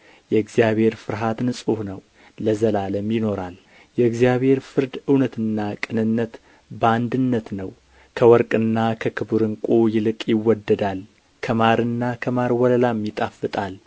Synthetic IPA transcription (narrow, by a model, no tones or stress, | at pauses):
jɛɨɡzijaβhe̞ɾfɨɾɦat̪ɨnsʼuhnəw | ləzəlaləmjɪno̞ɾal | jɛɨɡzjaβhe̞ɾfɨɾd̪ɨwnət̪ʰɨnːakʼɨnɨnːət̪ | bəand̪ɨnːət̪nəw | kʰəwɔɾkʼɨnːakʰəkʰɨbuɾɨŋkʷʼujɪlɨkʼjɪwːɔd̪ːəd̪al | kʰəmaɾɨnːakʰəmaɾwɔləlamːjit̪ʼafːɨt̪ʼal